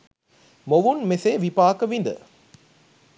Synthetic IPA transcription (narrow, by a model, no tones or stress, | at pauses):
moʋunmeseʋipaːkɐʋind̪ə̰